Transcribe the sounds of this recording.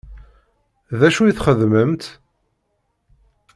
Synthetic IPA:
ðæʃujiθχəðməmt̪

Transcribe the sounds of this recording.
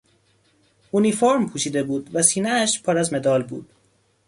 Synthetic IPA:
unifoɾmpʰuːʃiːd̪e̞buːd̪væsiːneæʃpʰɒːɾæzme̞d̪ɒːlbṵːd̪̥̚

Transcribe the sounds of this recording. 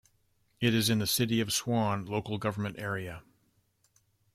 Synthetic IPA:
ɨɾɨzɨ̃nðɨsɪɾiʌv̥swɑ̃nloʊkl̩ˠɡʌvə˞mɨ̃ntɛɹiɨ

